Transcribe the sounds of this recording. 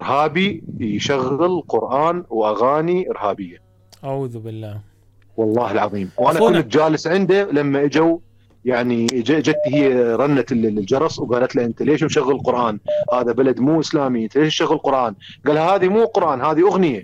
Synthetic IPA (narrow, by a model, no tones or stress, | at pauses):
ʔɪɾɦaːbijʃaɣːɪlqʊɾʔaːnwʔaɣaːniʔəɾhaːbɪjːa | ʔaʕuːðbɪlːaː | wɑlˤːɑːhɪlʕɑðˤiːmwʔanaʔkuːnat̪̚d͡ʒaːlɪsʕɪnd̪alamːaʔad͡ʒaw | jaʕnid͡ʒad͡ʒat̪ːihɪjːaɾˤɑnːat̪ld͡ʒɑɾˤɑsˤwɡaːlat̪laʔɪnt̪aleːʃmʃaɣːəlɪlqʊɾˤʔaːnhaːðabalad̪muːʔɪslaːmiʔɪnt̪aleːʃmʃaɣːəlqʊɾˤʔaːnɡaːlhahaːðimuːlqʊɾˤʔaːnhaːðiʔʊɣnɪja